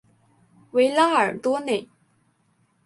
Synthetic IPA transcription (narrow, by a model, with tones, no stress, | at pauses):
we˧˥ɪla˥ə˞˨˩t̪wɔ˥ne˥˩ɪ